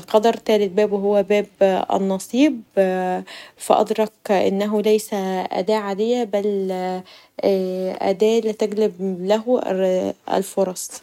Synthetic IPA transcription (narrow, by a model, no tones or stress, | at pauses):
lqɑd̪ɑɾˤt̪æːlɪlbæːbwɦowːæbæːbʔæ̰nːɑsˤiːb | fæʔɑ̰d̪ɾˤɑkʔɪ̰nːæɦʊlæjsæʔæ̰d̪æːʕad̪ejːæbæl | ʔæ̰d̪æːlɪt̪æɡlɪblæɦ | æ̰lfoɾˤɑsˤ